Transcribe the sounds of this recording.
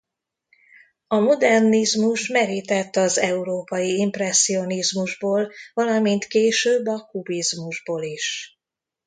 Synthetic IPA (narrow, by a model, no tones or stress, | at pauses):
ɒmod̪ɛrnizmuʃmɛɾit̪ɛt̪ːɒzɛuɾoːpɒjiimprɛsːio̞nizmuʒboːlvɒlɒmint̪keːʃøːbːɒkubizmuʒboːliʃ